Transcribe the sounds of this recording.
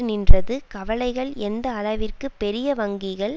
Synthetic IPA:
nɪndrɐðɯkɐʋɐɭɐɪɣɐɭɛnd̪ɐːɭɐʋɪrkɯpːɛɾɪjɐʋɐŋɡɪɣɐɭ

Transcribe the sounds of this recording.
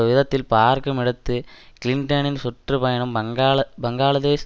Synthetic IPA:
ʋiðɐt̪ːilpaːrkɐmiɽɐt̪ːɯkliɳɖɐninsuʈrɨpɐjɐɳɐmɐɡːɐbɐŋɡaːlɐðeːs

